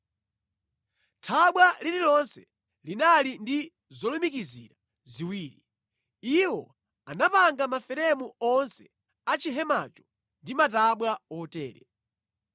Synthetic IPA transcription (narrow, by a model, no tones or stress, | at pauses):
tʰaɓwalililɔnsɛ̥ | linalindi | zɔlumikiziːɾa | ziwiːɾi | iwɔ̰ | anapaŋɡamafɛɾɛmuɔnsɛ | at͡ʃiɦɛma̰ːt͡ʃɔ̥ | ndimataɓwaɔtɛːɾɛ̰